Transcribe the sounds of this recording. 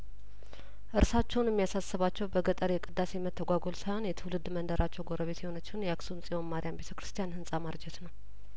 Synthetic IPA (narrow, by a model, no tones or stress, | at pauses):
ʔɨɾsat͡ʃːɛwnjɛmːijasasːɨβat͡ʃːɛwbəɡət̪ʼəɾjɛkʼɨd̪ːase̞mət̪ʰːəɡʷaɡo̞lsajho̞njɛt̪ʰɨwlɨd̪mənd̪əɾʔat͡ʃːɛwɡo̞ɾʔəβe̞t̪jɛho̞nət͡ʃːɪunjɛaksunsʼiwonmaɾijambe̞t̪ʰəkɾɨst̪ʰijanhɨnsʼamaɾd͡ʒɛt̪nəw